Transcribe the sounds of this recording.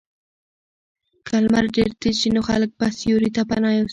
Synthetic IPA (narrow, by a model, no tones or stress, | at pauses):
kʰalmaɾdeɾt̪et͡ʃinoxa̰lək̚pasjoɾit̪apanɑjos